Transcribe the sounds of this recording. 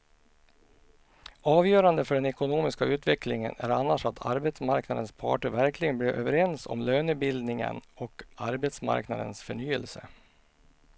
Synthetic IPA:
ɑːvjœːɾand̪əfœɖɛnɛkʊnuːmɪskaʉ̟ːt̪vɛklɪŋə̰næ̰ɾanːaʂat̪ʰa̰ɾbɛt̪smaɾknad̪ənspʰɑ̰ːʈəɾvæɾklɪɡənblɪɾʔø̰ːvəɾɛnsɔ̰mløːnʉːt̪̚bɪld̪nɪŋə̰nɔkaɾbɛt̪sma̰ɾkna̰d̪ənsfœɳyːəlsə̰

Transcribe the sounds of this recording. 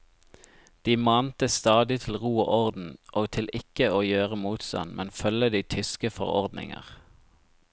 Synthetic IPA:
d̪̥iːmɑːnt̪əst̪ɑːd̪ɪt̪ʰl̩ʁuːo̰ːʔɔʁd̪n̩ʔoːɡt̪ʰɪlʔɪkəoːjøːʁəmuːt̪st̪ɑ̰nmʔɛnfœləd̪iːt̪ʰʏskəfɔ̰ʁɔ̰ʁd̪nɪ̰ŋə̰ʁ

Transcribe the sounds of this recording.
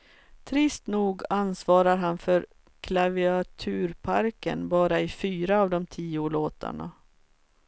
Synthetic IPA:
t̪ʰɾɪst̪nuːɡansvɑːɾaɾɦanfœɾ | kʰlavɪat̪ʰʉ̟ːɾpʰaɾkə̰nbɑːɾaɪfyːɾaːvd̪ɔmt̪ʰiːʊloːt̪ʰa̰ɳa̰

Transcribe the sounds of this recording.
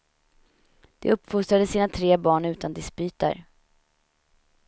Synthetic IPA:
d̪̥ɛ̰ɵpːfʊst̪ɾad̪əsiːnat̪ʰɾeːbɑːɳʉ̟ːt̪and̪ɪspyːt̪a̰ɾ

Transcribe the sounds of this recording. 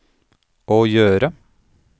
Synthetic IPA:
ʔoːjøːɾə

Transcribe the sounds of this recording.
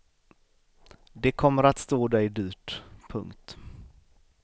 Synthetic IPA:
d̪ɛkʰɔmːəɾat̪st̪oːd̪ɛjd̪yːʈpʰɵ̰ŋkt̪

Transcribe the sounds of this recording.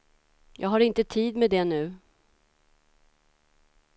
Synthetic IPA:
jɑːɡɦaɾɪnt̪ət̪ʰiːd̪mɛd̪ɛnʉ̟ː

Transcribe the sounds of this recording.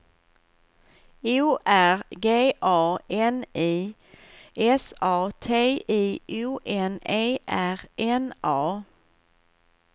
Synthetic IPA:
ʉːʔæɾɡeːʔɑːɛniː | ʔɛsɑːt̪ʰeːiːʔuːʔɛneːʔæɾʔɛnʔɑː

